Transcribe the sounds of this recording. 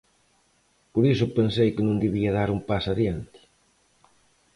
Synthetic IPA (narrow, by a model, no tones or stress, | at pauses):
poɾisʊpensejkɪnũŋd̪eβiɐðaɾumpasaðjant̪ɪ̥